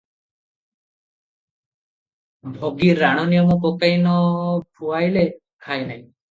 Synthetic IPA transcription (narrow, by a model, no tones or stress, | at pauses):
bʱoɡiɾːaɽ̃ɔnijɔmɔkokajnɔbʱuajle | kʰajnaj̃